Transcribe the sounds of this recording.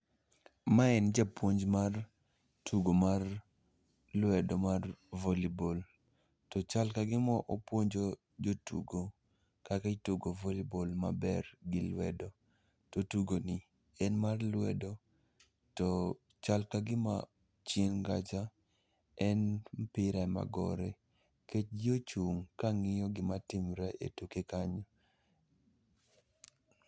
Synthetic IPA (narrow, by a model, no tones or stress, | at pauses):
maɛnd͡ʒapwoɲd͡ʒmar | tʰuɡomar | lwɛdɔmarvolibol | tɔt͡ʃalkaɡɪmɔʔopwoɲd͡ʒo | d͡ʒotṵɡo | kakaituɡovolibolma̰bɛrɡɪlwɛ̰do | totuɡonɪ | ɛnmarlwɛdɔ | tɔ | t͡ʃalkaɡɪma̰ | t͡ʃenɡat͡ʃa | ɛnpɪɾaɛma̰ɡɔ̰ɾɛ | ket͡ʃɡiot͡ʃuŋkaŋɪjɔɡɪmatɪmɾɛʔḛtukekaɲɔ